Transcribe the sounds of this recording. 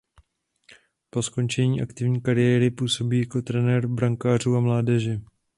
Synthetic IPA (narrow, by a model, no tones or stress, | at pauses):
po̞sko̞nt͡ʃɛɲiːʔakt̪ɪvɲiːkaɾɪjɛːɾɪpuːso̞biːjako̞t̪ɾɛnɛɾbɾaŋkaːr̝uːamlaːdɛʒɛ